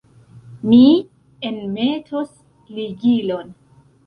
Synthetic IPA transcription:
mi | enme̞tʰos | liɡilo̞n

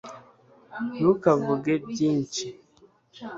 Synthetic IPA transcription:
nukavuɡebɟiːɲt͡ʃi

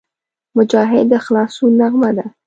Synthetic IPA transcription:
mʊd͡ʒɑɦɪd̪ːəxlɑsonaɣmad̪a

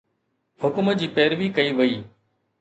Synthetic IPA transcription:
hʊkmd͡ʑiːpɛːɾʋiːkəiːʋəiː

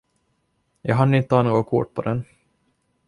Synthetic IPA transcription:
jɑːɡɦanːəɪnt̪əhɑːnoːɡakʰʊ̰ʈ̚ːpʰɔd̪ɛn

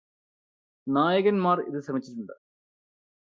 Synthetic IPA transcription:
naːjɐɣɐnmaːrḭðɨɕrɐmit͡ɕːitːuɳɖɨ

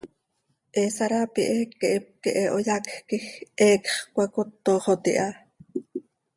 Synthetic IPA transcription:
ʔɛsaɾapiʔɛkːeʔep̚keʔɛʔojakkixʔɛːkχkʷakot̪ːoχot̪ḭʔa

